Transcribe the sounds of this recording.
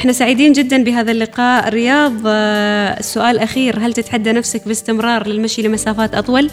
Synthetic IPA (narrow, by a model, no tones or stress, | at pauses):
ʔɪħnasaːʕɪd̪iːnd͡ʒɪd̪ːanbɪɦaːðalːɪqɑːʔɾɪjɑːðˤ | sːʊʔaːlʔaxiːɾɦalt̪ɪt̪ħad̪ːanafsakbɪst̪ɪmɾˤɑːɾˤlɪlmaʃilɪmasaːfaːt̪ʔɑt̪ˤwɑl